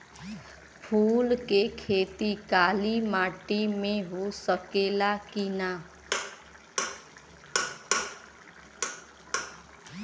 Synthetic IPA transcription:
pʰulkekʰet̪ikalimaʈimẽɦosəkelakina

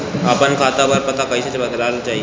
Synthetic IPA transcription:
apənkʰaːt̪abəɾpɐt̪akɐisat͡ʃebɐd̪laːlt͡ʃaːɦi

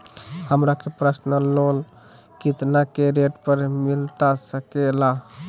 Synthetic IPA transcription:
həmɾakepɾəsnəlol | kit̪nakeɾeʈpəɾmilt̪asəkela

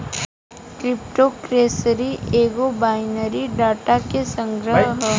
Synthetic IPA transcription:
kɾɪp̚ʈokɾeːsɾieːɡobaːɪnəɾiɖaːʈakesə̃ŋɡɾəɦə

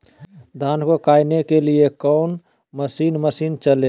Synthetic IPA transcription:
d̪ʱaːnkokaːjnekeliekɔʊn | məsiːnməsiːnt͡ʃəle

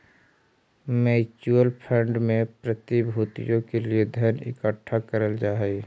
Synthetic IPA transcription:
mɛːt͡ʃuəlpʰə̃ɳɖmẽpɾət̪ibʱuːt̪ḭjõkelied̪ʱjənɪ̰kəʈʰːakəɾəld͡ʒaːɦɛi

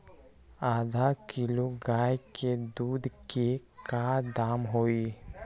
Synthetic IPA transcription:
aːd̪ʱakɪloɡaːjked̪uːd̪ʱke | kaːɾd̪aːmɦoːiː

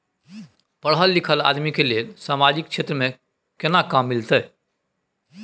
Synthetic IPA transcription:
pəɽɦəlːikʰəla̰d̪mikelelsamad͡ʒik̚t͡ʃʰet̪ɾəme | kenakamːilt̪əj

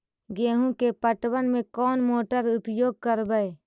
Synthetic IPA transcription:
ɡeːɦũkepəʈwənmẽkɔːnmoːʈəɾʊpjoːɡ̚kəɾbəe

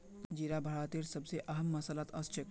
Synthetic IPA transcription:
d͡ʒiɾabʱəɭat̪eɾsəbseʔɐɦəmːɐsəlat̪ʰəst͡ʃʰek

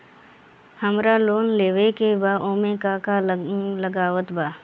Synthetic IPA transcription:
həmɾaloːnleːʋekebaːʔoːmẽkakalləɡaːʋət̪baː

